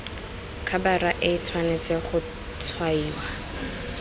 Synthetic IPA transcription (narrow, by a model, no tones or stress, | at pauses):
kʰabaraʔɪt͡sʰwanet͡seχʊ | tʰwaiːwa